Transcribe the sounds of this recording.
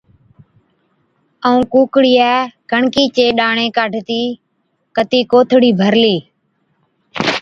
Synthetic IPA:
əũːkuːkɽiːaːkəɳkiːt͡ʃeːɗaːɳẽːkaːɖʱt̪iː | kət̪iːkoːt̪ʰɽiːbʱəɾliː

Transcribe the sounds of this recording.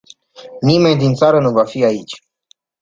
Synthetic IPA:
nime̞nd̪int̪saɾənuvafiait͡ʃʲ

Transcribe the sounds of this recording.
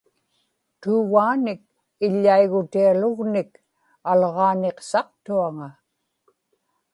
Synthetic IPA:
t̪uːɣaːnɪk̚ | ɪʎːaiɣʊt̪ialʊɣnɪk | alʁɑːneqsɑq̚t̪uaŋa

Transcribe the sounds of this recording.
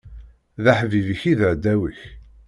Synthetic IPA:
ðaħvivəçiðəʕd̪ːæwəç

